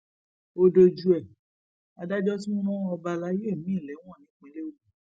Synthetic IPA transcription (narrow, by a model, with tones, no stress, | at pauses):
o˧do˧d͡ʒu˧ɛ˨ | a˧da˦d͡ʒɔ˦t̬i˦mɔ̃˦ɾ̃ɔ̃˦ɔ˧ba˧la˨˦je˦˨mĩ˨˦˨lɛ̃˨˦ɔ̃˦˨nĩ˨˦k͡pĩ˨˦de˦o˦˨ũ˨